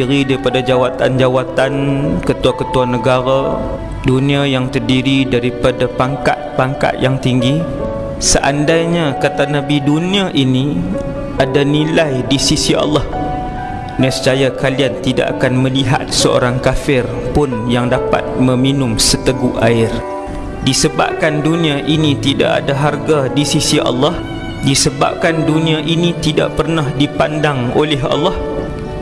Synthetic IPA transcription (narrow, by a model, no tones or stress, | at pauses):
iɾidaɾipadad͡ʒawat̪a̰nd͡ʒawat̪ankət̪uakət̪uanəɡaɾa | dunĩajaŋt̪ərdiɾidaɾipadapaŋka̰t̪̚paŋka̰t̪jaŋt̪iŋɡi | səʔandajɲakat̪anabiduniaʔini | ʔadanilajdisisiʔa̰lːɑh | nasə̥t͡ʃajakaliant̪ida̰ʔa̰kanmə̃liɦa̰t̪̚səo̰ɾaŋkafɪr | pʊnjaŋdapa̰t̪̚mə̃minʊmsət̪əɡuʔaɪr | disəba̰p̚kandunĩaʔinĩt̪ida̰ʔa̰daɦarɡadisisiʔɑ̰lːɑh | disəba̰p̚kandunĩãʔinit̪ida̰ʔpərnahdipandaŋolɛɦɑ̰lːɑh